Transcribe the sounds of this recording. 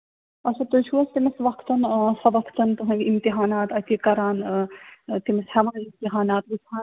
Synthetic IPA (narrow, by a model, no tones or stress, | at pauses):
ɐt͡ʃʰɐt̪ut͡ʃʰuːɐst̪imɐsʋɐkʰt̪ɐnsɐʋɐkʰt̪ɐnt̪uɦɐ̃ɡʲimt̪iɦaːnaːt̪ɐt̪ʲikɐɾaːn | t̪imɐshɐʋɐnimt̪iɦaːnaːt̪ʋisʰaːn